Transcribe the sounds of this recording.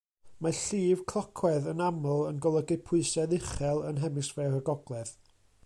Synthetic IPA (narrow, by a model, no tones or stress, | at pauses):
maɬiːv̥kʰlˠɔkʰwɛðənamlˠənɡɔlˠəɡɪpʰʊɨsɛðɪχɛlˠənɦɛmɪsvɛɾəɡɔɡlˠɛð